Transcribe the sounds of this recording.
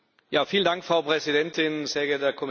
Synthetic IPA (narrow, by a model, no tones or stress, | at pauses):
jaːfiːlən̩daŋkfʁ̥aʊpʁ̥ɛzidɛntɪnseːɐɡɛɐdeɐkʰɔm